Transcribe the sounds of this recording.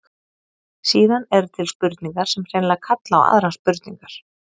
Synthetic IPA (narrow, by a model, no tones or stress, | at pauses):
siːðanɛɾt̪ʰɪlspʏɾt̪niŋkaɾ̥sɛmr̥ejnlakʰat̪la̰ːwa̰ðɾanspʏɾt̪niŋkaɾ̥